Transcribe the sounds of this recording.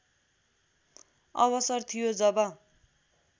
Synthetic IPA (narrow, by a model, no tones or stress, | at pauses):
ʌbʌsʌrt̪ʰijod͡zʌbʌ